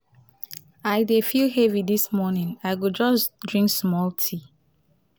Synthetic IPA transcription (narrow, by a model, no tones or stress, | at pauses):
aɪdefilɦeviðismɔnɪ̃naɪɡud͡ʒʌsdɹĩŋksmɔltʰi